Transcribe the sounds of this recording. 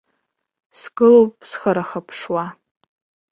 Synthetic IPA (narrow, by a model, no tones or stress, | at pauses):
sɡɨlowp̚ʼsχaɾaχapʰʂwa